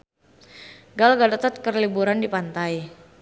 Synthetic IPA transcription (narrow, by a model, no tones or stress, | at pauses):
ɡalɡadət̪ət̪̚kərlibuɾandipant̪aj